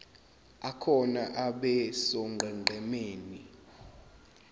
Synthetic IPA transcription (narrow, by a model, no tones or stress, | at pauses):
akʰɔnaʔaɓɛsɔŋɡʱɛŋ͡ǃʱɛmeːni